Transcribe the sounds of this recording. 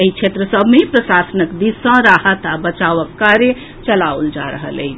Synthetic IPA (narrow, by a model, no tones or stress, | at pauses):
eit͡ʃʰet̪ɾəsəbʱmeipɾəsasənəkd̪isə̃ɾahət̪abət͡ʃaʋəkːaɾje | t͡ʃəlauld͡ʒa̰ɾəɦə̰lḛɪt͡ʃʰ